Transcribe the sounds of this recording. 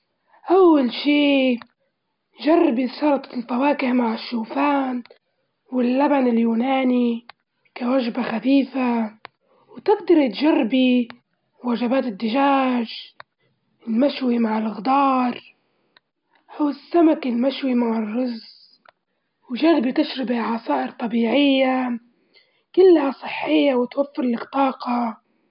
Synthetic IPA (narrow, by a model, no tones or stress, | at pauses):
ʔawːalʃiː | ʒarˤːbiʃɑɾˤt̪ˤlfawaːkɪhmaʕɪʃːuːfaːn | wɪlːabanɪljuːnaːni | kawaʒbaxaθiːfa | wt̪ɪɡd̪ɑɾˤit̪ʒarˤːbi | waʒabaːt̪ɪd̪ːɪʒaːʒ | ɪlmaʃwimaʕɪlɣd̪ɑːɾˤ | hʊwsːamakɪlmaʃwimaʕɪrˤːʊz | wʒarbit̪ɪʃɾɪbʕɑsaːʔɪɾt̪ˤɑbiːʕɪjːa | kɪlːhasˤɨħːɪjːawɪt̪wafːɪɾlakt̪ˤɑːqɑ